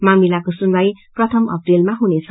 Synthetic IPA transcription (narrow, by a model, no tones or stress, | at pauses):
mamilakosunbajprʌt̪ʰʌmʌ̰prilmaɦunet͡sʰʌ